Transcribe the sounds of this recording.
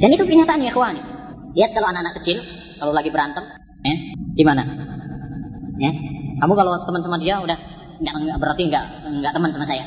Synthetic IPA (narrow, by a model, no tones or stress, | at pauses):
danit̪ukəɲat̪aanjakwaniliat̪̚kalaoanakanakːət͡ʃɪl | kalolaɡibəɾant̪əm | jaɡimana | jakamukalot̪əmənsamadiaudah | ŋɡaʔŋɡabəɾart̪iəŋɡaʔ | ŋɡaʔt̪əmənsamasaja